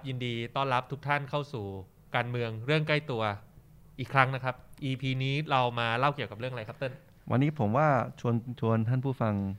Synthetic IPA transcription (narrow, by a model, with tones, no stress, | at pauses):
p̚ji˧ndiː˧t̪ɔː˥˩nɾa˦˥p̚t̪ʰu˦˥k̚t̪ʰa˥˩nkʰa˥˩wsuː˨˩ | kaː˧nmɯ˧əŋɾɯ˥˩əŋka˥˩jt̪u˧ɐ | ʔiː˨˩kʰɾa˦˥ŋna˦˥kʰa˦˥p̚ʔiː˧pʰiː˧niː˦˥ɾa˧wmaː˧la˥˩wki˨˩wka˨˩ɾɯ˥˩əŋa˧a˧jkʰa˦˥pt̪ɤ˥˩n | wʔa̰˧nːiː˦˥pʰo˩˦mwaː˥˩t͡ɕʰu˧ənt͡ɕʰu˧ənt̪ʰaː˥˩npʰuː˥˩fa˧ŋ